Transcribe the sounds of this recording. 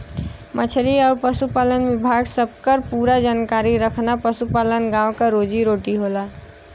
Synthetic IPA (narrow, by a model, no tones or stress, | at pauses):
mət͡ʃʰɾiɔːɾpəsupaːlənʋɪbʱaɡsəb̚kəɾpuːɾad͡ʒaːnkaːɾiɾəkʰnapəsupalənɡãwkaɾoːd͡ʒiɾoːʈiɦoːlaː